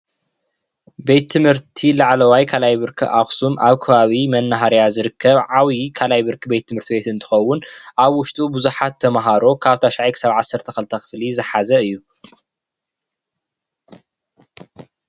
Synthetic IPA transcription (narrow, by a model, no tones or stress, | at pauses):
be̞t̪ʰːɨmhɨɾt̪ʰilaʕlɐwajkʰalajbɨɾkʰɨ̰ʔaxsumʔaβkʰɐβaβimɐnːaɦaɾjazɨɾɨkʰːɐβʕawikʰalajbɨɾkʰɨbe̞t̪ʰːɨmhɨɾt̪ʰibe̞t̪ɨnt̪ʰɨ̥xɐwːʊnʔaβwʊʃt̪ʼubɨzuħat̪ʰːɐmɦaɾo̞kʰaβt̪ʰaʃaʕajkʰɨ̥saβʕasːɐɾt̪ʰɐxɐlt̪ʰɐxɨ̥flizɨħazɐɨjːu